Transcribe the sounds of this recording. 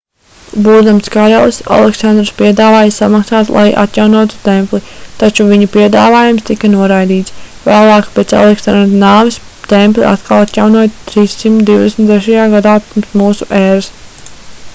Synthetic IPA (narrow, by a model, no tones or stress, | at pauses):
buːd̪amskaɾɛlˠsa̰lˠɛksand̪ɾspiɛd̪aːvaːjasamaksaːt̪lˠʔa̰jʔa̰t̪jawnuɔt̪u̥t̪ɛmplˠit̪at͡ʃuviɲapiɛd̪aːvaːjumst̪ikɐnuɔɾajd̪iːt̪svæːlˠɑːkpɛt̪sa̰lˠɛksand̪ɾnaːvis | t̪ɛmplˠḭʔa̰t̪kalˠat̪jawnuɔt̪t̪ɾiːsːimt̪ud̪iwd̪esmʲt̪d̪ɛʃajaːɡad̪aːpumsmuːsuʔɛːɾas